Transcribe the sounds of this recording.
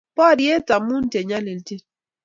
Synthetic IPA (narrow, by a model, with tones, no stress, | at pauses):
pɔ˦˨ɾi˦e˦ta˨mu˦n˦te˨ɲa˦li˨lti˦